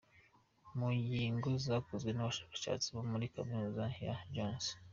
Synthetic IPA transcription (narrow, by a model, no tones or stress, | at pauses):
mujiːŋɡozakozɡwe̞naβaʃḁːkḁʃa̰ːt͡siβomuɾikaminuzaja̰d͡ʒons